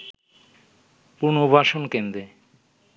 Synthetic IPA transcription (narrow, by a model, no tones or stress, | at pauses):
puɾnobʱaʃonkend̪ɾe